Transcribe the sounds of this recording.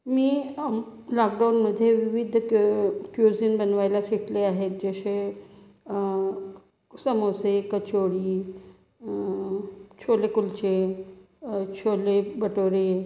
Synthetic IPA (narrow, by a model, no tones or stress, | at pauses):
miː | lakɖawnməd̪ʱjeʋiʋid̪ʱ | kjud͡zinbənʋajlasiʈleaɦet̪̚d͡ʑəɕe | səmosekət͡ɕoɽiː | t͡ɕʰolekult͡ɕe | t͡ɕʰolebəʈoɾe